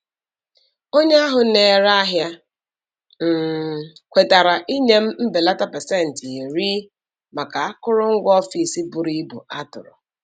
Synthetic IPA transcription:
o˦ɲe˦a˦ɦʊ˨ne˨ɾa˦a˦ɦja˦ | m̩˨kʷe˨ta˨ɾa˨ʔi˦ɲe˦m̩˦m̩˦be˨la˦ta˦pɛ˨se˦˨n̩˨ti˨ɾi˦ | ma˨ka˨a˦kʊ˦ɾʊ˦ŋ̩˦ɡʷɔ˦fi˨si˦bu˨ɾi˦bṵ˨a˦tʊ̰˨ɾʊ̰˨

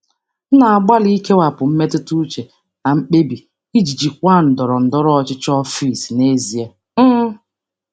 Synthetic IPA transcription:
n̩˦na˨a˨ɡ͡ba˦li˦ke˦wa˨pʊ˨m̩˦me˦tɪ˦tu˦t͡ʃe˨ | na˨m̩˦k͡pe˦bi˨ | i˦d͡ʒi˨d͡ʒi˨kʷa˦˨n̩˨dɔ˨ɾɔ˨n̩˨dɔ˦ɾɔ˦ɔ˨t͡ʃɪ˦t͡ʃɔ˦fi˨sne˦zi˨e˦ | m̩˦

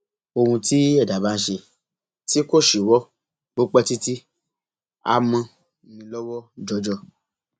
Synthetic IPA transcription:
o˧hũ˧ti˦ɛ˦˨da˨˦ba˦n̩˦ʃe˧ | ti˦ko˦˨ʃi˨wɔ˦ | bo˦k͡pɛ˦ti˦ti˦ | a̰˦mã˧˨ | nĩ˧lɔ˦wɔ˦d͡ʒɔ˧˦d͡ʒɔ˦˨

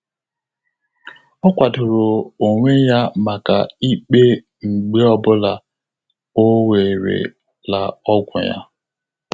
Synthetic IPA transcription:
ɔ˦kʷa˨tʊ˨ɾʊ˨o˨ŋʷe˦ja˦ma˨ka˨i˦k͡pe˦ | ŋ͡m̩˨ɡ͡be˦ɔ˦bʊ˦la˨ | o˦we˨ɾḛ˨ | la˨ɔ˦ɡʷʊ̰˨ja̰˦

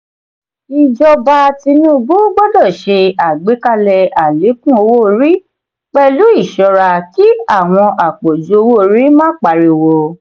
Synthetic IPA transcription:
i˧d͡ʒɔ˧ba˧ti˧nũ˦˧ɡ͡bu˦ɡ͡bɔ˦dɔ˦˨ʃe˧a˨ɡ͡be˨˦ka˧lɛ˧a˨le˨˦kũ˦o˧wo˦ɾi˦ | k͡pɛ˦lu˦i˦˨ʃɔ˧ɾa˧ki˦a˦˨w̃ɔ̃˧ʔa˨k͡po˨d͡ʒu˨˦o˧wo˦˨ɾi˦mãː˦k͡pa˧˨ɾi˧wo˧

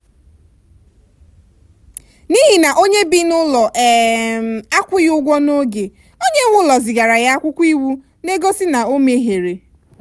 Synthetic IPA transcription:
ni˦ɦi˨na˨ʔo˦ɲe˦bi˦nʊ˦lɔ˨ʔɛ˨ | a˦kʷʊ˦jʊ˦ɡʷɔ˦no˦ɡe˨ | o˦ɲe˦ŋʷʊ˦lɔ˨zɪ˨ɡa˨ɾa˨ja˦a˦kʷʊ˦kʷi˦wu˦ | ne˦ɡo˦sɪ˦na˨o˦me˦ɦe˨ɾe˨

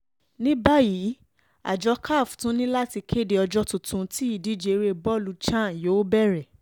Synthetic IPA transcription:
nĩ˦ba˦jiː˨˦ | a̰˨d͡ʒɔ˧˦kʰa˦˨ftũ˨˦nĩ˦la˦ti˧kʰe˦˨de˧ɔ˧d͡ʒɔ˦tũ˨tũ˨˧ti˦i˦˨di˨˦d͡ʒe˨˧ɾe˦bɔ˦˨lu˨˧˦t͡ʃã˦˨joː˨˦bɛ˦˨ɾɛ˨

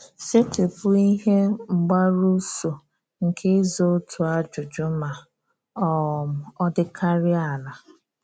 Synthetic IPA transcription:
sɪ˦tɪ˨pʊ˦i˦ɦe˦ŋ͡m̩˨ɡ͡ba˦ɾu˦so˨ | ŋ̩˨kʰe˦zo˦tʰʊ˨a˦d͡ʒʊ˨d͡ʒʊ˦ma˨ | ɔ˦˨mʊ˨ɔ˦dɪ˦kʰa˦ɾɪ˦a˨la˨

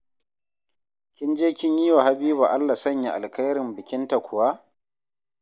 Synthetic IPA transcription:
kʲɪ˦nd͡ʒeː˦kʲɪ˦ɲji˦wa˨ɦa˦biː˦ba˨ʔa˦lːa˨sɐ˦ɲja˨ʔa̰˨lkɐ˦jɾɪ˨mbɪ˨kʲɪ˦nta˨kʷʊ˨wa˦

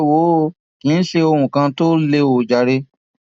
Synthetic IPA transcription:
wo˦ | kĩ˨˦ɬe˧o˧ɾũ˨kã˧to˦le˧wo˨d͡ʒa˨ɾe˧˦

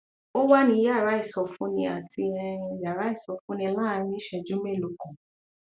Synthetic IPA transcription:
o˦wa˦nĩ˧˦ja˦˨ɾa˨˦i˦˨sɔ˧fũ˦nĩ˧a˨tʰi˧ɛ˧ĩ˧ja˨ɾa˨˦i˦˨sɔ˧fũ˦nĩ˧lãː˦˧ɾ̃ĩ˦ʃɛ˧d͡ʒu˦me˦˨lo˨kɔ̃˨

